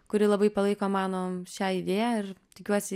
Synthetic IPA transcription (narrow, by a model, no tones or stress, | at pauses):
kʊɾʲɪlˠɐbɐɪpɐlˠɐɪkoːmɑːnoːʃʲæːɪd̪ʲeːjæːɪrt̪ʲɪkʲuɔsʲɪ